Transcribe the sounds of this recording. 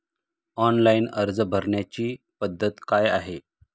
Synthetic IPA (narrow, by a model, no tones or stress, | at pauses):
ɔnlainəɾd͡zbʱəɾɳjat͡ɕiː | pəd̪ʱːət̪kajaɦe